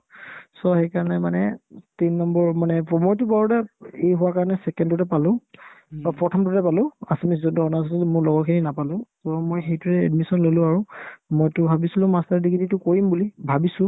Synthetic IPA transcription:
sɔxejkaɹɔnɛmanɛtinːɔmbɔɹmanɛmojtʊbaɹudɛejɦʊwakaɹɔnɛsɛkɛndʊtɛpalʊ̃bapɹɔtʰɔmdʊtɛpalʊ̃asemis̬zɔntuɔnasɔilmʊɹlɔɡɔkʰininapalʊ̃sɔmojxejtuɹɛɛ̰dmisɔnlolʊ̃aɹʊmojtʊbʱabisilʊ̃mastaɹdiɡititʊkoɹimbulibʱabisʊ̃

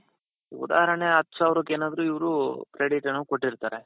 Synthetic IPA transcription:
ṵd̪a̰ːɦɐɾɐɳeɦɐt̪ːu̥saːʋɾokːeːnaːd̪ɐɾuiʋɐɾukɾeɖiʈɐnːuko̞ʈːiɾt̪aːɾe

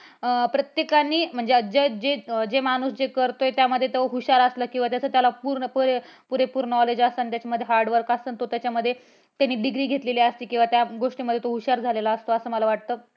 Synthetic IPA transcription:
pɾət̪jekaniːm̤əɳd͡zed͡ʑed͡ʑed͡ʑemañuːsd͡ʑekəɾt̪ojt̪jaməd̪ʱːjet̪oɦuɕaɾəsləːkĩw̃ʋat̪jat͡sʰəːt̪jalapuːɾnəpəɾpuɾepuːɾnɔled͡ʑəsənt̪jat͡ɕaməd̪ʱːjeɦaɾɖʋəɾkəsənt̪ot̪jat͡ɕaməd̪ʱːje | t̪janːiːɖiɡɾiːɡʱet̪leliəst̪iːkĩw̃ʋat̪jaɡoʂʈiməd̪ʱːjet̪oɦuɕaɾd͡zʱalelaəst̪oəsəːməlaʋaʈ̚t̪əː

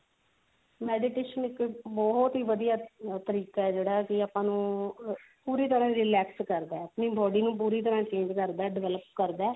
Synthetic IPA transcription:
mɛːɖɪʈeːʃənɪkbɔːt̪ɦiːʋəd̪ijaːt̪əɾiːkaːɛːd͡ʒeːɽaːkɪaːpãːnũː | puːɾiːt̪̬əɾãːɾɪlɛːkskəɾd̪aːəpniːbɔːɖiːnũːp̬uːɾiːt̪̬əɾãːt͡ʃẽːɲd͡ʒkəɾd̪aːɖɪʋɛːləpkəɾd̪aː

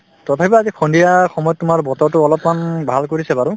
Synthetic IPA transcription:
tɔtʰapibaːzikʰɔndijaxɔmɔjɔtːʊmaɹbɔtɔɹtʊɔlɔpmanbʱalkoɹisɛbaɹʊ

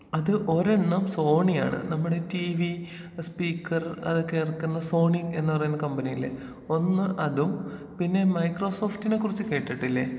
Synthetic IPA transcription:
ɐðɨʔo̞ɾeɳːɐmso̞ːɳija̰ːɳɨ̰nɐmːuɽetiʋi | spiːkːɐrɐ̰ðokːeirɐkːunːɐso̞ːɳiŋe̞nːɨpɐrɐjunːɐkɐmbɐnijilḛ | o̞nːɨʔɐðum | pinːe̞mɐjkro̞ːso̞ːftinekːurit͡ɕːɨke̞ːʈːiʈːilːḛ

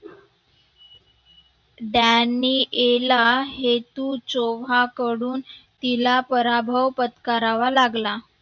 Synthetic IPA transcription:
ɖanːiːʔelaɦet̪uːt͡soʋakəɽuːnt̪ilapəɾabʱəwpət̪kaɾaʋalaɡla

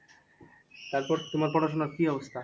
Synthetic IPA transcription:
t̪aɾpɔɾt̪umaɾpɔɾaʃonakiɔbost̪ʰa

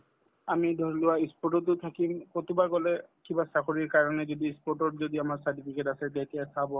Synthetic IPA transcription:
amidʱɔɹilʊwaispɔʈɔtːʊt̪ʰakimkot̪ubaɹɡɔlɛkibasakʰoɹiɹkaɹɔnɛzodiispɔɹtɔtzodiamaɹsaɹtipʰikɛtasɛdɛtijasabɔ

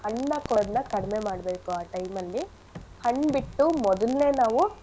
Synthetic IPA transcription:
hɐɳːɐkɔɾnːɐkɐɽɐmemaːɽɐbe̞ːkuaːʈɐjmɐlːi | hɐɳːbiʈːumɔd̪ɐlːe̞ːnaːʋu

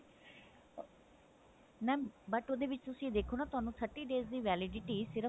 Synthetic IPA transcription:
nɛːbəʈoːd̪eːʋɪt͡ʃt̪ʊsĩːd̪eːkʰoːnaːt̪ʊaːnũːt̪ʰəɾʈiːɖeːzd̪iːʋɛːlɪɖɪʈiːsɪɾə

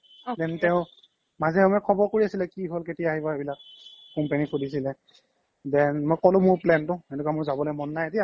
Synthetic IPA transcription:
dɛntɛʊ̃ | mazɛɛmɔjkʰɔbɔɹkoɹiasilɛkiɦolketijaːɦibɔebilak̚ː | ɔmpenikʰudis̬ilɛ | dɛnmojkɔlʊmʊɹplɛntʊetukamʊɹzabɔlojmɔnːajetija

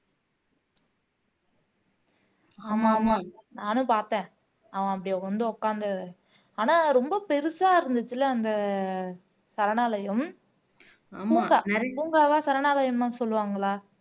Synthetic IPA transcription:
aːmaːmanaːnʊ̃paːɾt̪ẽː | ɐʋɐ̃ɐpːɐɽɪjʋɐnd̪ɯɔkːaːnd̪ɐɯ | aːnaːɾɔmbɐpɛɾɯsaːɪɾɯnd̪ɯt͡ʃːɯlːɐːnd̪ɐ | sɐɾɐnaːlɐjɐm | puːŋɡaːɾpuːŋɡaːʋaːsɐɾɐɳaːlɐjɐmaːsɔlːɯʋaːŋɡɐɭaː

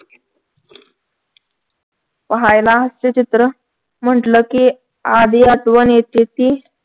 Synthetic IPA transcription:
pəɦajlaɦəst͡ɕet͡ɕit̪ɾə | m̤əɳʈləki | ad̪ijat̪ʋənjet̪et̪i

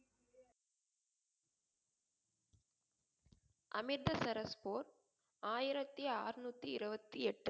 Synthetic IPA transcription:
ʔɐmɪɾd̪ɐsɐɾɐspoːɾ | aːjɪɾɐt̪ːiaːrnuːt̪ːiɪɾɯbɐt̪ːiɛʈːɯ

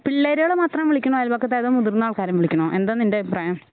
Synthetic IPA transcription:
piɭːeːɾeɐɭemaːt̪rɐmʋiɭikʲːuɳoːɐlbɐkːɐt̪ːeːðoːmuðurnːaːɭkaːɾjɐmʋiɭikʲːuɳoːʔe̞nd̪aːnːindeprɐjɐm

